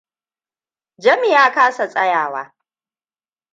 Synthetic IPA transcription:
d͡ʒɐ˦mi˨jaː˦kaː˦sa˨sʼɐ˦jaː˨wa̰ː˦

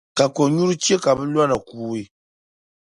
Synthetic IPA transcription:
ka˨ko˨ɲu˦ɾu˦t͡ʃe˦ka˨bɨ˦la˦na˨kuː˨e˦

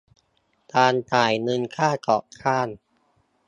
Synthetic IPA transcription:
t̪aː˧nt͡ɕaː˨˩jnɯ˧nkʰaː˥˩kɔː˨˩ʔkʰaː˥˩n

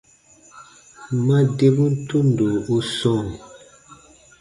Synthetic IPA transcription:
ma˦de˦bu˦n̩˦tʰu˦n˨do˨o˦sɔ̃˦˨

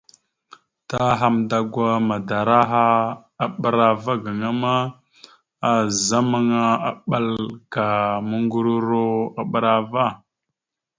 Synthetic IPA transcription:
ta˦ɦa˦mda˨ɡʷa˦ma˨da˨ɾa˦ɦa˦ | a˨ɓə˦ɾa˨va˦ɡa˨ŋa˦ma˦ | a˨za˦ma˦ŋa˦a̰˨ɓa˦lka˨mə˦ŋɡu˦ɾu˦ɾo˦a˨ɓə˦ɾa˦va˦˨

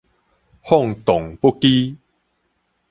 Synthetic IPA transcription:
hɔ˥˨ŋt̪ɔ˨˩ŋpu˦ki˦

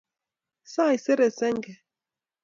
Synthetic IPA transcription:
saː˦˨i˨se˦ɾe˨sɛ˦ŋ˦ɡɛ˨

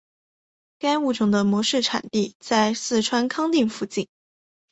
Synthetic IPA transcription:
ka˥ɪu˥˩ʈ͡ʂʊ˨˩ŋd̪ə˦mwɔ˧˥ʂɻ̩˥˩ʈ͡ʂʰa̰˨˩nt̪i˥˧t͡sa˥˧ɪsɹ̩˥˩ʈ͡ʂʰwa˥nkʰɑ˥ŋt̪i˥˧ŋfu˥˧t͡ɕi˥˩n

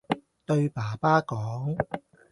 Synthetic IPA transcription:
t̪ɵ˧ɥpaː˨˩paː˥kɔː˨˥ŋ

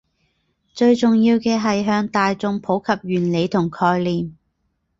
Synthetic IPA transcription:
t͡ʃɵ˧ɥt͡sʊ˨ŋjiː˧wkɛː˧ɦɐ˨jɦœː˧ŋt̪aː˨jt͡sʊ˨˧ŋpʰo˨˥wkʰɐ˨p̚jyː˨˩nle˨˧jt̪ʰʊ˨˩ŋkʰɔː˧jliː˨m

